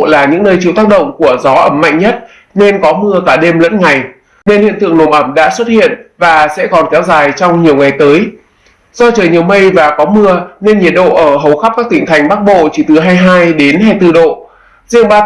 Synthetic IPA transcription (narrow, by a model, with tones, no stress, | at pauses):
laː˨˩ɲɨ̰˧˥ŋnəː˧jt͡ɕi˧˨wt̪aː˦˥k̚ɗə̰˧˨wŋ͡mku˧˩əzɔ˨˦ʔə˧˩mːa̰˧˨jŋɲə˦˥t̚ | ne˧nkɔ˨˦mɨ˧əkaː˧˩ɗe˧mlə̰˧˥nŋa˨˩j | ne˧nhḭ˧˨ənt̪ɨ̰˧əŋno˨˩mʔə˧˩mɗa̰ː˧˥swə˦˥t̚hḭ˧˨ənvaː˨˩sɛ̰˧˥kɔ˨˩nkɛ˨˦wzaː˨˩jt͡ɕɔ˧wŋ͡mɲi˨˩əwŋa˨˩jt̪əː˨˦j | z̥ɔ˧t͡ɕəː˨˩jɲi˨˩əwmə˧jvaː˨˩kɔ˨˦mɨ˧əne˧nɲi˨˩t̚ɗo̰˧˨ʔəː˧˩ɦə˨˩wxa˦˥p̚kaː˦˥k̚t̪ï˧˩ŋ̟t̪ʰa˨˩jŋ̟ɓaː˦˥k̚ɓo̰˧˨t͡ɕi˧˩t̪ɨ˨˩ɦaː˧jɦaː˧jɗe˨˦nɦaː˧jt̪ɨ˧˩ɗo̰˧˨ | zḭ˧əŋɓaː˧